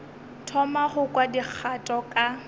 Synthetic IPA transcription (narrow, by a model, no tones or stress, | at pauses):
tʰɔmaχʊkwadik͡xʰatʼɔkʼa